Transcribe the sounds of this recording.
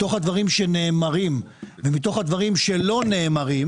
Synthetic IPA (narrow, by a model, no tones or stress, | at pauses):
to̞χhad̪vaʁimʃene̞ːmaʁim | vemit̪o̞χhad̪vaʁimʃelo̞ne̞ːmaʁim